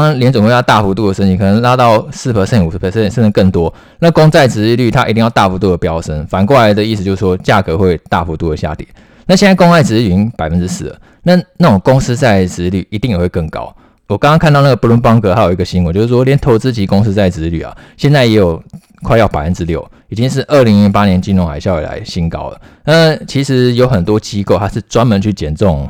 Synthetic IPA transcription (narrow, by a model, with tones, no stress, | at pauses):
ŋɑ˥ŋljɛ˧˥nt͡swŋwe˥˧jt̪a˥˨fu˧˥t̪̬u˥˩d̪ə˩ʂə˥nt͡ɕi˨˩kʰɤ˨˩nə˦ŋla˥t̪ɑ˥˧ʊsɹ̩˥˩pʰə˨˩sɛ˥˩i˨ŋu˨˩˧pʰə˨˩sə˥˩˨nsə˥nə˧kə˥˩ŋt̪wɔ˦ | na˥˧kʊ˥ŋt͡sa˥˩ɪt͡sɹ̩˧ly˥˩t̪ʰa˦ʔi˧t̪i˥˧jʊt̪a̰˥˧˩fu˧˥t̪u˥˩d̪ə˩pjɑ˥ʊsə˦˥nfa˨nkwɔ˥˩la˧ɪd̪ə˨i˥˩sɨ˨t͡ɕjo˥˧ʊʂ̩˥˩ʂwɔ˥t͡ɕja˥˩kɤ˧˦xwe˥˧ɪt̪a̰˥˨fu˧˥t̪u˥˩də˩ɕja̰˥˩t̪jɛ̰˨˩˦n | na˥˩ɕjɛ˥˧nt͡sa˥˩ko˥ŋa˥˩ɪt͡sɻ̩˧˥˨i˧˥ŋpa˨˩ɪfə˦nʈ͡ʂɻ̩˥sɹ̩˥˧˩lə̰˩ | na˥˧na˥˩ʈ͡ʂo˨˩ŋkʊ˥ŋs̩˥t͡sa˥˩ɪt͡sɻ̩˧˥ly̰˥˩i˧˥t̪i˥˩ŋjɛ˨˩xwe˥˧kə˥˩ŋkɑ̰˥ʊ | wɔ˨˩kɑ˥ŋɑ˥ŋkʰt̪ɑ˥˧na˥˩ɡə˩pu˥˩lwə˧˥npɑ˥ŋkɤ˧˥ta˥jo˨˩i˧˥ɡə˨ɕi˥ŋwt͡ɕo˥˧ʊʂ̩˥˩ʂwɔ˥ljɛ˧˥nt̪ʰo˧˥ʊt͡sɹ̩˥t͡ɕi˧˥kʊ˥ŋs̩˧˥t͡sa˥˩ɪt͡s̩˧˥ly̰˨˩a̰˨ɕjɛ˥˧nt͡sa˥˩ɪjɛ˧˥jo˨˩ʊ | kʰwɪjɑ˥˩ʊpa˨ɪfə˦nʈ͡ʂɻ̩˦˥ljo˥˩ʊ | i˨˩t͡ɕi˦˥ŋʂ̬ɻ̩˥˧ʔə˥˩li˧˥ŋi˧˥pa˥njɛ˧˦nt͡ɕi˥˩nɻʊ˧˥ŋxa̰˨˩ɪɕjɑ˥˩ʊḭ˨˩la̰˧˦ɪɕi˧˥nkɑ̰˥ʊlə̰˩na˥˩t͡ɕʰi˧˥ʂɻ̩˧˥jo˧˥ʊxə˨˩nt̪wɔ˦˥t͡ɕi˥ko˥ʊt̪ʰa˥ʂ̩˥˩t͡swa˥nmə˧˦nt͡ɕʰy˥˩t͡ɕjɛ˨˩nt͡sʊ˥˩ŋ˩